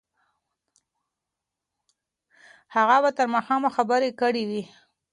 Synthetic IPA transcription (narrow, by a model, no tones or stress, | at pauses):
haɣabat̪əɾmɑxɑmaxabəɾekəɽiwi